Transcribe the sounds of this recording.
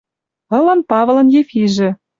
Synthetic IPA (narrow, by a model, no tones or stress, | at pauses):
ɤ̆lɤ̆npɑvlˠɤ̆njefiʒĕ